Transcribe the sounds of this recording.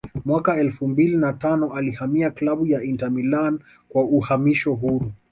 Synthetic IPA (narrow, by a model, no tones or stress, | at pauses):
mwakaɛlfumbilinatanɔalihamiaklaɓujaintamilan | kwauhamiʃɔɦuɾu